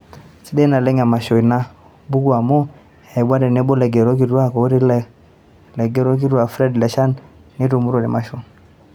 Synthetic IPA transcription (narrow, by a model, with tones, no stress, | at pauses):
t͡ʃi˦dɛ˦na˨lɛ˦ŋa˨ma˨ʃo˨i˨na˦ | bu˦ɡu˦a˨mo˦ | ɛ˨ba˦dɛ˨ne˦bo˦lɛ˨ɡe˨ɾo˦k̬i˨da˦ko˨˦ɾi˦l | lɛ˨ɡe˦ɾo˦k̬i˦ɾwa˨fɾɛ˦dlɛ˨ʃa˦nː | i˦tu˨mu˦ɾo˨nɛ̰˨ma˦ʃo˦